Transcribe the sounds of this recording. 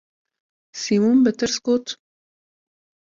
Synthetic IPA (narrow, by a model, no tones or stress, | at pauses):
simumbət̪ɨɾsɡ̥oːt̪